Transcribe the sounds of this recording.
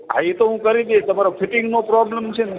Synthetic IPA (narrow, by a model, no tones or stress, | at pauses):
ɦa̰et̪oɦũkəɾid̪et̪əmaɾofʰiʈɪŋɡnopɾɔbləmt͡ʃʰene